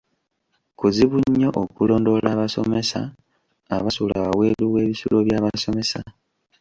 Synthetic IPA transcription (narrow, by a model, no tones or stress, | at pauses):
kuziβuɲːo̞ʔokulo̞ːndo̞laβaso̞̰me̞sa̰ | aβasulaβawe̞luwe̞ːβisuloβjaːβaso̞me̞sa